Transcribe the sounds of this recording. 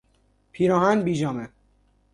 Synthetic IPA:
pʰiːɾɒːɦænbiːd͡ʒɒːme

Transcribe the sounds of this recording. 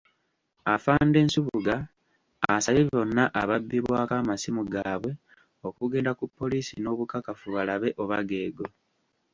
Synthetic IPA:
afaːnde̞ːnsuβuɡaː | saβiβo̞nːaʔaβabːiβwaːkaːmasimuɡaːβwe̞ | o̞kuɡe̞ːndakupːo̞liːsḭno̞ːβukakafuβalaβe̞ʔo̞βa̰ɡe̞ːɡo̞

